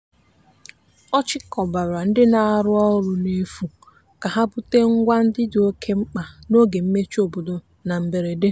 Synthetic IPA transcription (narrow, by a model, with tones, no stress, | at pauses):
ɔ˦t͡ʃɪ˦kɔ˨ba˨ɾa˨n̩˦dɪ˦na˨˦ɾʊ˦ɔ˦ʊ˦ɾʊ˨ne˦fu˨ | ka˨ɦa˦bʊ˦te˦ŋ̩˦ɡʷa˦n̩˦dɪ˦dɪ˨o˦kʰe˦ŋ͡m̩˦k͡pa˨no˦ɡe˨m̩˦me˦t͡ʃu˦o˨bo˨do˨ | na˨m̩˨be˨ɾe˨de˦